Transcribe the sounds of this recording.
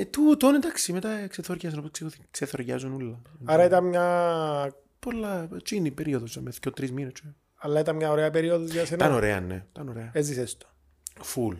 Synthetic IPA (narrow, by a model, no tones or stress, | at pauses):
t̪ut̪oned̪ɐksimet̪ɐkseθoɾʝɐs̬noposkseokseθoɾʝɐ̰zunulːɐnɐɾɐit̪ɐnmɲɐ | polːɐt͡ʃinipeɾioðosɐmeθcːot̪ɾizminest͡ʃe | ɐlːɐit̪ɐnmɲɐoɾeɐpeɾioðozʝɐsenɐnoɾḛɐ̰nḛit̪ɐnoɾeɐezisest̪o̥ | ful